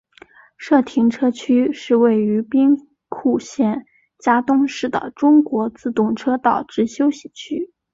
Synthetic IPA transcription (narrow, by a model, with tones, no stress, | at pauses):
ʂɤ˥˩t̪ʰi˧˥ŋʈ͡ʂʰɤ˥t͡ɕʰy˥ʂɻ̩˥˧we˥˩ɪy˧˥pi˥ŋ | kʰu˥˧ɕjɛ˥˩n | t͡ɕja˥t̪ʊ˥ŋʂɻ̩˥˩d̪ə̰˩ʈ͡ʂʊ˥ŋkwɔ˧˥t͡sɹ̩˥˧t̪ʊ˥˩ŋʈ͡ʂʰɤ˥t̪ɑ˥˩ʊʈ͡ʂɻ̩˥ɕjo˥ʊɕi˥˩t͡ɕʰy˥